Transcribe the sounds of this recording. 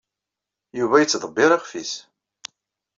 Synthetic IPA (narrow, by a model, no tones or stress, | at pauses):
juvæjət͡sːðˤəbːɪɾˤɑχfis